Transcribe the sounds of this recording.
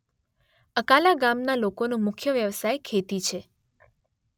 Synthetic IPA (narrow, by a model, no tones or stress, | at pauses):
əkalaɡamnalokonũmʊkʰjəʋjəʋsajkʰet̪it͡ʃʰe